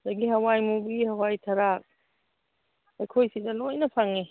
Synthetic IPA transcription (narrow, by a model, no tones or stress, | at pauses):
daɡihɐwajmubihɐwajtʰaɾak̚ | ɐjkʰojsidɐlojnɐpʰaŋi